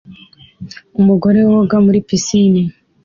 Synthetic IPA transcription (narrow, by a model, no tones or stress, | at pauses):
umuɡo̞ɾe̞wwoɡamuɾipisini